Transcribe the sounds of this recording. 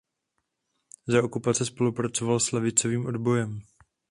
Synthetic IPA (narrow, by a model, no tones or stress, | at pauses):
zao̞kupat͡sɛspo̞lupɾat͡so̞valslɛvɪt͡so̞viːmʔo̞dbo̞jɛm